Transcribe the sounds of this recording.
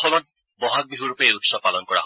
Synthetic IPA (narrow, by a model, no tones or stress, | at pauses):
ɔmɔt̪̚ | bɔɦak̚biɦuɹupeeutsɔb̚palɔnkɔɹa̰ɦ